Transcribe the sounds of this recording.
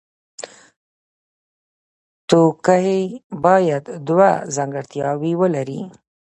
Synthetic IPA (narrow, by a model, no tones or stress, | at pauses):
t̪okajebɑjad̪d̪wazaŋɡaɽt̪jɑwiwəlaɾi